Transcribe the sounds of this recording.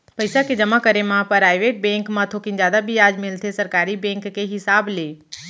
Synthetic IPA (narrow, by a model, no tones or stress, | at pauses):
pəɪsakid͡ʒɐmãkəɾemãpəɾaːjʋebẽːŋkmãt̪ʰoːkind͡ʒjaːd̪abʱiaːd͡ʒmɪlt̪ʰesɐɾkaːɾibẽːŋkːeɦɪsaːbleː